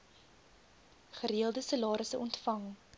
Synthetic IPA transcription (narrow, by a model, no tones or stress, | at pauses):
χəɾiəlˠdəsəlɑːɾəsəʔɔntfɐŋ